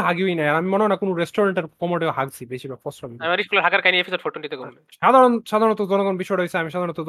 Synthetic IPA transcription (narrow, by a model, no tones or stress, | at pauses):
ɦaɡiojnajaɾamimoneonakonoɾesʈoɾaɳʈeɾkɔmoʈeoɦaɡt͡ɕʰibeʃibafɔsʈʰɔbiamiɾiʃkulaɾɦakaɾkajniepʰisoɖfoʈunɖit̪ekole | ad̪ʱaɾonʃad̪ʱaɾɔnɔt̪od͡ʑɔnoɡɔnbiʃɔjeɽesʰeamiʃad̪aɾɔnɔt̪o